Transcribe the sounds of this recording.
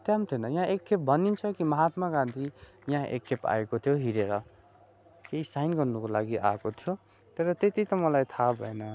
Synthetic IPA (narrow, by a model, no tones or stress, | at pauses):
t̪jamt̪ʰjonʌjãekʰːep̚bʱʌnint͡sʰʌkimʌɦat̪makãnt̪ʰi | jãʔḛkʰːepa̰ekot̪ʰjoɦiɾeɾʌ | keɦisajnɡʌrnukolaɡiʔa̰kot̪ʰjo | t̪ʌɾʌt̪et̪it̪ʌmʌlajt̪ʰabʱʌenʌ